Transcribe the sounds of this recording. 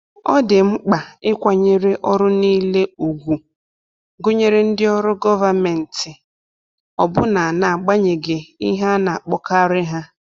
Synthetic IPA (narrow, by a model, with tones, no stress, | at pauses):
ɔ̰˦dɪ˨ŋ͡m̩˦k͡pa˨ɪ˦kʷa˨ɲe˦ɾe˦ʔɔ˦ɾʊ˦niː˦le˦u˨ɡʷu˨ | ɡʊ˦ɲe˦ɾe˦n̩˦dɪ˦ɔ˦ɾʊ˦ɡɔ˦va˨me˨n̩˨tɪ˨ | ɔ˨bʊ˦na˨na˨ɡ͡ba˦ɲe˨ɡe˨i˦ɦa˦na˨a˨k͡pɔ˦ka˦ɾɪ˦ɦa˦